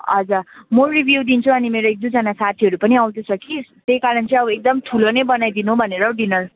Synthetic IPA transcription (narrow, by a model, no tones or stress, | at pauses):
ʌ̰d͡zamoribʱjuwd̪int͡sʰuʌnimeɾoek̚d̪ud͡zanasat̪ʰiɦʌɾupʌniawd̪osʰʌkist̪ejkaɾʌnt͡sʌ̃ʌbek̚d̪ʌmt̪ʰulonejbʌnajd̪inuɦbʱʌneɾʌɖinʌr